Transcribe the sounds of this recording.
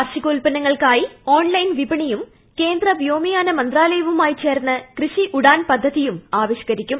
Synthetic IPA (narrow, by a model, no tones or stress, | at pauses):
ɐrɕikoːlpɐnɐŋːɐɭkaːjio̞ːɳlɐjnʋibɐɳijum | ke̞ːnd̪rɐbjo̞ːmijaːnɐmɐnd̪raːle̞jɐʋumaːjit͡ɕe̞ːrnːɐkrɨɕiʔuɽaːnpɐd̪ʱːɐðijumaːʋiɕɐ̥kɐɾikʲːum